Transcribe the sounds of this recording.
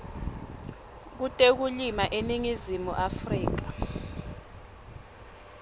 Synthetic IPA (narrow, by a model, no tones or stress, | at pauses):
k̬utʼek̬ulimaʔeniŋizimṵʔafriːk̬a